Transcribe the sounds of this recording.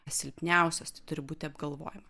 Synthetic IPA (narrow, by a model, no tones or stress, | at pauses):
sʲɪlʲpʲnʲæˑʊsʲost̪ɐɪt̪ʊɾʲɪbuːt̪ʲɪɐbɡɐlˠʋo̰ːjɪmɐ